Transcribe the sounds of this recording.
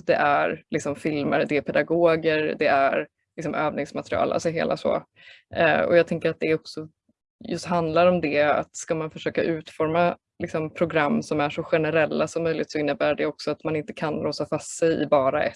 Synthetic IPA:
d̪ɛʔæɾlɪksɔmfɪlmə̰ɾd̪ɛæpʰɛd̪aɡoːɡəɾd̪ɛæɾ | lɪksɔmøːvnɪŋsmat̪ɾɪɑ̰ːlʔa̰sɔɦḛːlʔa̰sɔ̰ | ɔ̰jɑːt̪ʰɛŋkəɾat̪̚d̪ɛɔksɔ | jɵst̪ɦand̪laɾɔmd̪ɛa̰t̪skamanfœʂøːkaʔʉ̟ːt̪fɔɾma | lɪksɔmpʰɾʊɡɾamːsɔmæʂɔɧɛnəɾɛlːasɔmːœjlɪt̪sɔɪnːəbæːɖɛɔksɔat̪manɪnt̪əkʰanɾoːsafast̪ːsɛjɪ̰bɑːɾaʔɛ̰t̪

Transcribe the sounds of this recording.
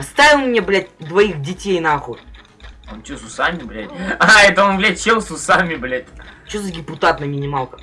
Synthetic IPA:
st̪avʲɪlˠmnʲeblʲætʲd̪vɐixdʲɪtʲejnaxu | ont͡ʃosʊsamʲɪblʲatʲaɛt̪əonvlʲɛt͡ɕelˠsʊsamʲɪblʲatʲt͡ɕozədʲɪpʊt̪at̪nɐmʲɪnʲɪmalˠkə

